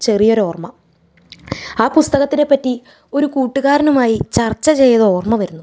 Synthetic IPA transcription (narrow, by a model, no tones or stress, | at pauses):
t͡ɕe̞rijo̞ɾo̞ːrmɐ | aːpust̪ɐɣɐt̪ːine̞pːɐtːi | o̞ɾukuːʈːuɣaːɾɐnumaːjit͡ɕɐrt͡ɕːɐt͡ɕe̞jːɐðɐo̞ːrmɐʋɐɾunːu